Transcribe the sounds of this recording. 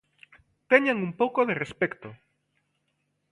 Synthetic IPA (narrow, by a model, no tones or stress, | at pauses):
t̪eɲaŋumpowkoðerespɛkt̪o